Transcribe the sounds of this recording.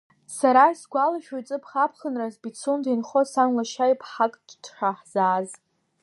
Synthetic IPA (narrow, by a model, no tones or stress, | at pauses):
saɾaisɡʷalaʃᶣojt͡sʼɨpʰχapʰχənrazbit͡sʰundinχosanlaʃajpʰħakʼtʰħʷᶣaħz̥aːz